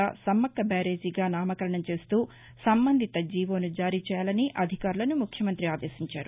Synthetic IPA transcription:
asɐmːɐkːɐbaːɾe̞ːd͡ʒiɡaːnaːmɐkɐɾɐɳɐmt͡ʃe̞ːst̪uː | sɐmbɐnd̪ʱit̪ɐd͡ʒiːʋo̞ːnud͡ʒaːɾiːt͡ʃɛːjaːlɐniʔɐd̪ʱikaːɾulɐnumukʰjɐmɐnt̪ɾiaːd̪e̞ːsiɲt͡ʃaːɾu

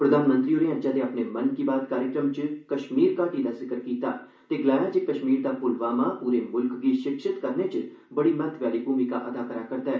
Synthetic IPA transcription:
pɾəd̪ʱaːnmə̃nt̪ɾiːoːɾẽːəd͡ʒãːd̪eːapneːmənkiːbaːt̪kaːɾɪkɾəmt͡ʃkəʃmiːɾkaːʈiːd̪aːsɪkəɾkiːt̪a̰ː | t̪eːɡlaːjaːd͡ʒeːkəʃmiːɾd̪aːpʊlʋaːmaːpuːɾeːmʊlkɡiːʃɪkʃɪt̪kəɾneːt͡ʃə | bəɽiːmɛt̪ʰʋjaːliːbʱuːmiːkaːʔəd̪aːkəɾaːkəɾt̪aːɦɛː

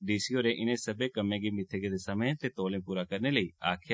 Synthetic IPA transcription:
ɖiːsiːɦoːɾeːʔɪnẽːsəbeːkəmẽːɡiːmɪt̪ʰːeɡed̪eːsəmẽːt̪eːt̪oːlẽːpuːɾaːkəɾneːləiːaːkʰja

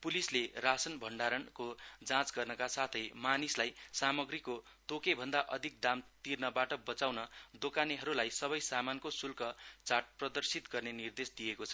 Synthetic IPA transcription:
pulislerasʌnbʱʌɳɖaɾʌnkod͡zãt͡sɡʌrnʌkasat̪ʰʌjmanislajsamʌɡɾiko | t̪okebʱʌnd̪aʔʌd̪ʱik̚d̪amt̪irnʌbaʈʌbʌt͡sawnʌd̪okaniɦʌɾulajsʌβʌjsamankosulkʌt͡saʈ̚prʌd̪ʌrsit̪ɡʌrnenird̪esd̪ijekot͡sʰʌ

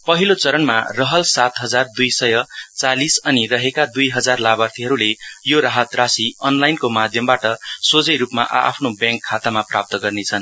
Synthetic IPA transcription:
pʌɦilot͡sʌɾʌnmarʌɦʌlsat̪ɦʌd͡zard̪ujsʌjʌt͡salisʌnirʌɦekad̪ujɦʌd͡zarlabart̪ʰiɦʌɾulejoɾaɦʌt̪rasiʌnlajnkomad̪ʱjʌmbaʈʌsod͡zʌjɾupma̰ʔa̰pʰnobjãŋkʰːat̪amaprap̚t̪ʌɡʌrnet͡sʰʌn

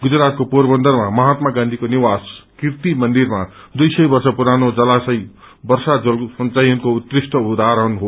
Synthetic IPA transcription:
ɡud͡zɾat̪̚koporbʌnd̪ʌrmamʌɦat̪maɡãnd̪ʱikoniwaskirt̪imʌnd̪irma | d̪ujsʌjbʌrsʌpuɾanod͡zʌlasʌj | bʌrsad͡zʌlsʌnt͡sajʌnkout̪risʈʌud̪ʱaɾʌnɦo

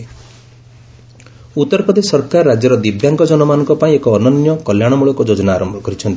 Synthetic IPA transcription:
ut̪ːɔɾpɔd̪esɔɾkaɾːad͡ʒjɔɾɔd̪ibjaŋkɔd͡ʒɔnɔmanɔ̃ŋkɔpaĩekɔːnɔnjɔkɔljaɽ̃ɔmuɭɔkud͡ʒod͡ʒɔnaːɾɔmbʱɔkɔɾit͡ʃʰɔnt̪i̥

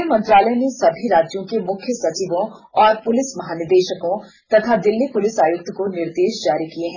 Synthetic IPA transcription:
mɐ̃nt̪ɾaːlɛnesɐbʱiɾaːd͡ʒjõkemʊkʰjəsɐt͡ʃiːʋõɔːɾpʊlɪsmɐɦaːnɪɾd̪eːʃəkõ | t̪ɐt̪ʰad̪ɪlːipʊlɪsaːjʊk̚t̪konɪɾd̪eːʃd͡ʒaːɾikieɦɛ̃

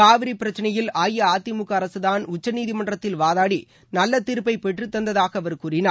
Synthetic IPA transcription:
kaːʋɪɾipɪɾɐt͡ʃːɪnɐjɪlaːjɐaːt̪ːɪmʊkːɐɐɾɐsɯðaːnʊt͡ʃːɐniːðimɐɳɖrɐt̪ːɪlʋaːðaːɽi | nɐlːɐt̪ɪɾɯpːɐɪpɛʈrɯt̪ːɐnd̪ɐðaːɣɐːʋɐɾkuːrɪnaː

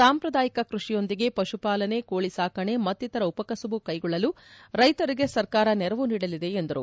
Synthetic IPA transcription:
saːmpɾɐd̪aːjikɐkɾuʂijo̞nd̪iɡe̞pɐʂupaːlɐne̞koːɭisaːkɐɳe̞mɐt̪ːit̪ɐɾɐupɐkɐsuʋukɐjɡɔɭːɐlu | ɾɐjt̪ɐɾiɡe̞sɐɾkaːɾɐnɛɾɐʋuniːɽɐlid̪e̞end̪ɐɾṵ

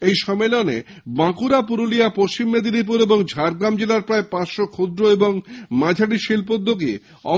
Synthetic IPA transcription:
ejʃɔmelonḛ | bãkuɾapuɾulijapoʃt͡ɕimːed̪id̪ip̬uɾeboŋd͡ʑʱaɾɡɾamd͡ʑelaɾpɾaepãt͡ɕʃokʰod̪ɾoeboŋmãd͡ʑʱaʈiʃilpod̪ʱːoɡ̬i | ɔ̰

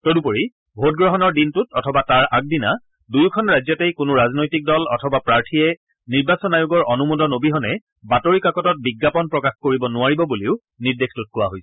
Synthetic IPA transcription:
todupoɹi | bʱot̚ɡɹɔɦɔnɔɹdintutɔtʰɔbataɹak̚dina | dujkʰɔnɹajzɔtejkʊnʊɹaznojtik̚dɔlɔ̰tʰɔbapɹaɹtʰijɛ | niɹbasɔnajʊɡɔɹʔɔnumodɔnobiɦɔnɛ | batoɹikakɔtɔt̚biɡːapɔnpɹɔkaxkoɹibɔnʊaɹibɔbuliʊ | niɹdextut̚kʊwa̰ɦojsɛ̥

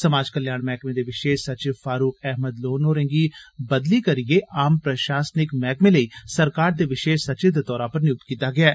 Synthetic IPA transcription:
səmaːd͡ʒkəljaːɳmɛːkmẽːd̪eːʋɪʃeːsət͡ʃɪʋfʰaːɾuːkɛːɦməd̪loːnoːɾẽːŋɡiːbəd̪liːkəɾɪeːʔaːmpɾəʃaːsnɪkmɛːkmẽːləiːsəɾkaːɾd̪eːʋɪʃeːʃsət͡ʃɪd̪t̪ɔːɾãːpəɾnɪjʊt̪kiːt̪aːɡɪaː

